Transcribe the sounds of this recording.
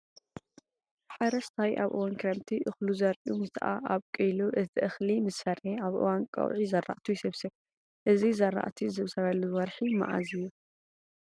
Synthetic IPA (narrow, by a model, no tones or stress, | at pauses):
ħaɾɐst̪ʰajʔa̰βʔɨ̰wankʰɾɐmt̪ʰiʔɨxluzɐɾʔumɨt̪ʰʔa̰ʔaβkʼɨjluʔɨt̪ʰiʔɨxlimɨsfɐɾheaβʔɨ̰wankʼɐ̰wʕizɐɾːa̰ʔt̪ʰujsɨβsɨβ | ʔɨzizɐrːa̰ʔt̪ʰizɨβsɐβɐlːuwɐɾħima̰ʔa̰zɨjːu